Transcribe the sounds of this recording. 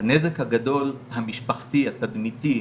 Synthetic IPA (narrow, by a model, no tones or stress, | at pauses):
anezekhaɡado̞lhamiʃpaχt̪iat̪ad̪mit̪i